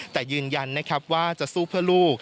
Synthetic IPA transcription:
t̪ɛː˨˩jɯː˧nja˧nːa˦˥kʰa˦˥p̚waː˥˩t͡ɕa˨˩suː˥˩pʰɯ˥˩ɐluː˥˩k̚

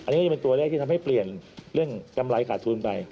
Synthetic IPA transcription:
ʔa˧nːi˦˥˩pe˧nt̪u˧ɐ˧leː˥˩k̪̚ʰi˥˩t̪ʰa˧mha˥˩jpli˨˩ənɾɯ˥˩əŋka˧mɾa˧jkʰaː˨˩t̪ʰːuː˧npa˧j

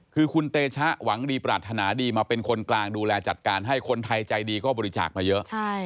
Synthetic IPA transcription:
kʰɯː˧kʰu˧nt̪eː˧t͡ɕʰa˦˥ʔwa˩˦ŋdiː˧pɾaː˨˩t̪ʰːa˧naː˩˦diː˧maː˧pe˧nkʰo˧nklaː˧ŋduː˧lɛː˧t͡ɕa˨˩t̪̚kaː˧nɦa˥˩jkʰo˧nt̪ʰa˧jt͡ɕa˧jdiː˧kɔː˥˩bɔː˧ɾi˦˥t͡ɕa̰ː˨˩k̚maː˧jɤ˦˥ʔt͡ɕʰa˥˩j

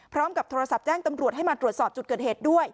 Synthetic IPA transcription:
pʰɾɔː˦˥mka˨˩p̚t̪ʰoː˧ɾa˧sa˨˩p̚t͡ɕɛː˥˩ŋt̪a˧mɾu˨˩ət̪̚ɦa˥˩jmaː˧t̪ɾu˨˩ət̪̚sɔː˨˩p̚t͡ɕu˨˩t̪̚kɤː˨˩t̪̚heː˨˩t̪̚du˥˩əj

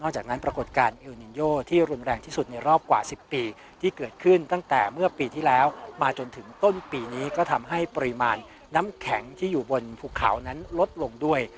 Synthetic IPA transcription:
nɔ˥˩k̚t͡ɕaː˨˩k̚na˦˥npɾa˧ko˨˩t̪̚kaː˧nʔe˧wni˧njoː˥˩t̪ʰiː˥˩ɾu˧nɾɛː˧ŋt̪ʰiː˥˩su˨˩t̪̚na˧jɾɔː˥˩p̚kwa̰ː˨˩si˨˩pːiː˧ | t̪ʰiː˥˩kɤː˨˩t̪̚kʰɯ˥˩nt̪a˥˩ŋt̪ɛː˨˩mɯ˥˩ɐpiː˧t̪ʰiː˥˩lɛː˦˥wmaː˧t͡ɕo˧nt̪ʰɯ˩˦ŋt̪o˥˩npiː˧niː˦˥kɔː˥˩t̪ʰa˧mɦa˥˩jpɔ˧ɾi˧ma̰ː˧nː | a˦˥mkʰɛ˩˦ŋt̪ʰiː˥˩juː˨˩bo˧npʰuː˧˩kʰa̰˩˦wna˦˥nlo˦˥t̪̚lo˧ŋdu˥˩əj

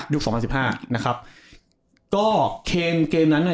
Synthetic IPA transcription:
ju˦˥ksɔː˩˦pʰa˧nsi˨˩p̚haː˥˩na˦˥kʰa˦˥p̚ | kɔː˥˩kʰeː˧mkeː˧mna˦˥nːʔa˨˩

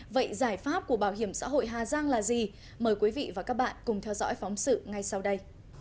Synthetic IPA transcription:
və̰˧˨jzaː˧˩jfaː˦˥p̚ku˧˩əɓaː˧˩wɦi˧˩əmsa̰ː˧˥ɦo̰˧˨jɦaː˨˩zaː˧ŋlaː˨˩zi˨˩ | məː˨˩jkwi˨˦vḭ˧˨vaː˨˩kaː˦˥k̚ɓa̰ː˧˨nkʊ˨˩ŋ͡mt̪ʰɛ˧wzɔ̰˧˥jfɔ˨˦wŋ͡msɨ̰˧˨ŋa˧jsa˧wɗə˧j

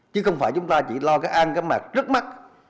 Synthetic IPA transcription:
t͡ɕɨ˨˦xə˧wŋ͡mfaː˧˩jt͡ɕʊ˨˦ŋ͡mt̪aː˧t͡ɕi˧˩lɔ˧kaː˨˥jʔa˧nkaː˦˥jmaː˨˩k̚zə˦˥t̚ma˦˥t̚

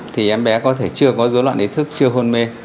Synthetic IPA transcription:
t̪ʰi˨˩ʔɛ˨˦mɓɛ˨˦kɔ˨˦t̪ʰe˧˩t͡ɕɨ˧əkɔ˨˦zo˨˦lwa̰˧˨nʔi˨˦˥t̪ʰɨ˦˥k̚t͡ɕɨ˧əɦo˧nme˧

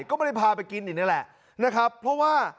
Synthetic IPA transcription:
jkɔː˥˩ma˦˥˩a˥˩pʰaː˧pa˧jki˧nʔiː˨˩na˦˥lɛ˨˩ʔ | na˦˥kʰɾa˦˥pʰːɾɔ˦˥waː˥˩

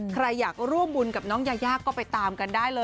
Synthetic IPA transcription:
kʰɾa˧jːaː˨˩k̚ɾu˥˩əmbu˧nka˨˩p̚nɔː˦˥ŋjaː˧jaː˥˩kːɔː˥˩pa˧jt̪aː˧mka˧ndaː˥˩jlɤː˧

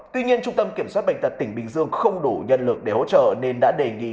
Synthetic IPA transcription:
tt̪wi˧ɲi˧ənt͡ɕʊ˧ŋ͡mt̪ə˧mki˧˩əmswaː˦˥t̚ɓa̰˧˨jŋ̟t̪̚t̪ï˧˩ŋ̟ɓï˨˩ŋ̟zɨ˧əŋxə˧wŋ͡mɗu˧˩ɲə̰˧˨nlɨ˨˩ək̚ɗe˧˩ho̰˧˥t͡ɕə̰ː˧˨ne˧nɗa̰ː˧˥ɗe˨˩ŋḭ˧˥

